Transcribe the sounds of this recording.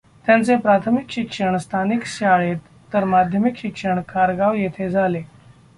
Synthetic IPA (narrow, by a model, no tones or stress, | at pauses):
t̪jãnt͡sepɾat̪ʰəmikɕikʂəɳst̪ʰanikɕaɭet̪ːəɾmad̪ʱjəmikɕikʂəɳkʰaɾɡaʋjet̪ʰed͡zʱale